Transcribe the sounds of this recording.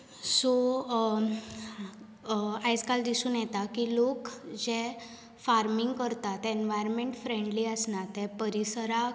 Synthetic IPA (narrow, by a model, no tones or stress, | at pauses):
so | ajd͡zkald̪isuːnjɛt̪akilokd͡ʑe | faɾmiŋɡkəɾt̪at̪ːɛenʋajɾɾmeɳʈfɾẽɳɖliːəsnat̪ɛpəɾisɾa